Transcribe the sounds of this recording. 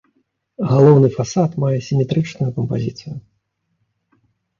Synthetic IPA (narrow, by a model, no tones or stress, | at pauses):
ɣalˠɔwnɨfasat̪majɛsʲimʲɛt̪ɾɨt͡ʂnujukɐmpa̰zʲit̪sɨju